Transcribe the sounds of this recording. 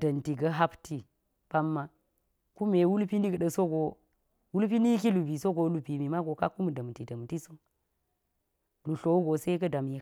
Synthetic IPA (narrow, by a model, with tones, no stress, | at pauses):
dɐ˨nti˨ɡɐ˦ɦa˦pti˦ | pa˦mːa˦ | ku˦me˨wu˦lpi˦ni˦ɡə˨ɗə˨so˦ɡo˨ | wu˦lpi˦ni˦ki˦lu˨bi˨so˦ɡo˨lu˨bi˨mi˨ma˦ɡo˨ka˦ku˦m˨də˨m˨ti˨də˨m˨ti˦so˦ | lu˨ɬo˨˦wɡo˨se˦kɐ˦da˨mji˦